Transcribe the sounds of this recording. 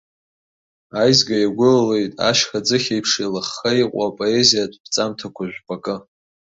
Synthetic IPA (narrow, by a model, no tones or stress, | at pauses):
ajzɡʲajaɡʷʊlle̞jtʼa̰ʃχad͡zɨχʲejpʰʂejlaχːajqʷʼapʼo̞ezijadʰʼb̥t͡sʼamtʰakʷʰaʒᶣʷpʼakʼɨ